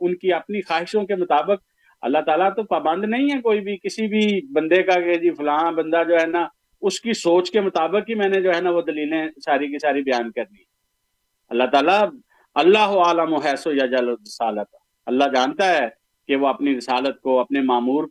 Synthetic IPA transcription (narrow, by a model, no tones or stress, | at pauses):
ʊnkiɐpnixaːɦɪʃõkemʊt̪aːbək̚ | ɐ̰lːaɦt̪aːlat̪opaːbə̃nd̪nɐɦĩɦɛkoːibʱikɪsibʱibɐ̃nd̪ekaked͡ʒifʰʊlãːbɐ̃nd̪ad͡ʒoːɦɛːna | ʊskisoːt͡ʃkemʊt̪aːbəkːimɛ̃ːned͡ʒoːɦɛːnaʋod̪əliːlẽsaːɾik̬isaːɾibɪjaːnkəɾniɦɛ | ɐlːat̪aːla | ɐlːaːɦoaːləmoɦɛːsojad͡ʒəlɾɪsaːlət̪ː | ɐlːad͡ʒaːnt̪aɦɛː | keʋoɐpniɾɪsaːlət̪̚koɐpnemaːmuːɾ